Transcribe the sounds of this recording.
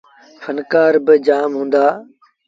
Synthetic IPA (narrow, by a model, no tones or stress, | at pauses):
fʰənkaːɾbɪd͡ʒaːmɦũːnd̪aː